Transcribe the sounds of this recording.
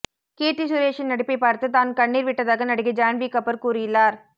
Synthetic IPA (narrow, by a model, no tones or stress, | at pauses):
keːʈːisʊɾeːʂɪnɐɽɪpːɐɪpaːɾt̪ɯt̪aːnkɐɳːiːɾʋɪʈːɐðaːɣɐnɐɽɯɣɐd͡ʒaːnbiːkɐpːɐɾkuːɾɪjɪlːaːɾ